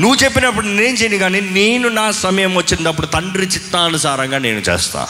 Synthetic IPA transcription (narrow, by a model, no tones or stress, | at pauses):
nuʋːut͡ʃe̞pːinɐpːuɽuneːnt͡ʃejind̪iɡaːniːneːnunaːsɐmɐjɐmʋɐt͡ʃːind̪ɐp̬ːuɽut̪ɐɳɖɾit͡ʃit̪ːaːɐnusaːɾɐŋɡaːneːnut͡ʃɛ̰ːst̪a̰ː